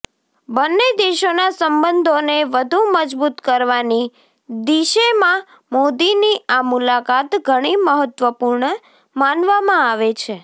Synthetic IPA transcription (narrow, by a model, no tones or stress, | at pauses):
bənːed̪eʃonasəmbənd̪ʱoneʋəd̪ʱuməd͡ʒbut̪kəɾʋani | d̪iʃemã | mod̪iniamulakat̪ɡʱəɽ̃iməɦət̪ʋəpuɾɳə | manʋamãaʋet͡ʃʰe